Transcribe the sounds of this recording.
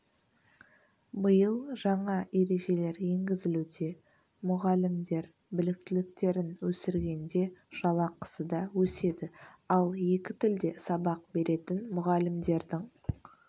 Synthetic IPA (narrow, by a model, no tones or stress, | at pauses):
bəjəlˠʒɑɴɑe̞ɾe̞ʒe̞le̞ɾje̞ŋɡʲɪzɪlud̪e̞ | mʊʁɑlɪmd̪e̞ɾ | bɪlɪk̚t̪ɪlɪk̚t̪e̞ɾɪnwɵsɪɾɡʲe̞nd̪e̞ʒ̥ɑlˠɑqə̥səd̪ɑwɵse̞d̪ɪɑlˠje̞kʲɪt̪ɪld̪e̞sɑbɑq̚be̞ɾe̞t̪ɪnmʊʁɑlɪmd̪e̞ɾd̪ɪŋ